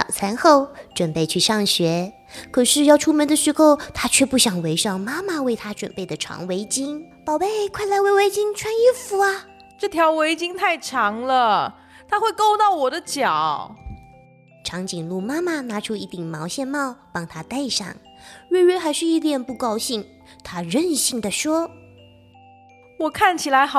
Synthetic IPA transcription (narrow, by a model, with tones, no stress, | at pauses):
t̪ɑ̰˨˩ʊt͡sʰa˧˥nxo˥˧ʊʈ͡ʂwə˨˩npe˥˧ɪt͡ɕʰy˥˧ʂɑ˥˩ŋɕɥɛ˧˥ | kʰɤ˨˩ʂɻ̩˥˧jɑ˥˧ʊʈ͡ʂʰu˥mə˧˥nd̪ə˧ʂɻ̩˧˥xo˥˧ʊt̪ʰa˥t͡ɕʰɥɛ˥˧pu˥˩ɕjɑ˨˩ŋwe˧˥ɪʂɑ˥˩ŋma˥ma˧we˥˩ɪt̪ʰa˥ʈ͡ʂwə˨˩npe˥˩ɪd̪ə˩ʈ͡ʂʰɑ̰˧˥ŋwe˧˥ɪt͡ɕi˥ŋpɑ˨˩ʊpe˥˩ɪkʰwa˥ɪla˧˥ɪwe˧˥ɪwe˧˥ɪt͡ɕi˥ŋʈ͡ʂʰwa˥ni˥fu˧˥ɐ˧ | ʈ͡ʂɤ˥˩t̪ʰjɑ˧˥ʊwe˧˥ɪt͡ɕi˥ŋt̪ʰa˥˩ɪʈ͡ʂʰɑ˧˥ŋlə˧ | t̪ʰa˥xwe˥˧ɪko˥˧ʊt̪ɑ˥˩ʊwɔ˨˩d̪ə˦t͡ɕjɑ˨˩˦ʊ | ʈ͡ʂʰɑ˧˥ŋt͡ɕi˨˩ŋlu˥˩ma˥ma˨na˧˥ʈ͡ʂʰu˥i˥˩t̪i˨˩ŋmɑ˧˥ʊɕjɛ˥˧nmɑ˥˩ʊpɑ˥˩ŋt̪ʰa˥t̪a˥˧ɪʂɑ̰˥˩ŋ | ɥe˥˧ɪɥɛ˧˥xa˧˥ɪʂɻ̩˥˧i˥˩t̪jɛ˨˩npu˥˩kɑ˥ʊɕi˥˩ŋ | t̪ʰa˥ɻə˥˧nɕi˥˩ŋd̪ə˩ʂwɔ˥ | wɔ˨˩kʰa˥˩nt͡ɕʰi˨˩la˧˥ɪx